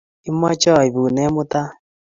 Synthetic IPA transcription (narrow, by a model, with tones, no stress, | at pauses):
i˦m˦ɔ˦t͡ʃɔ˦˨i˨βu˨nɛ˦mʊ˦ta˦